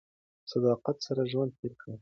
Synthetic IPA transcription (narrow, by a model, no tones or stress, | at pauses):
sad̪ɑqat̪saɾaʒwand̪̚peɾkʰə